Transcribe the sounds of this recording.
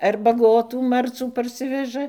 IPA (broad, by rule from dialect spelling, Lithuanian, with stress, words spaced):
ɐr bɐˈɡoːtuː ˈmɐrt͡suː pɐrʲˈsʲɪʋʲɛʒɐ